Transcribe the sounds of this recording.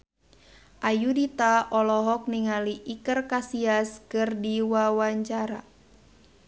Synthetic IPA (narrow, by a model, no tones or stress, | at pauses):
ʔajudit̪aɔlɔɦɔk̚niŋaliʔikərkasiaskɨrdiwawaɲt͡ʃaɾa̰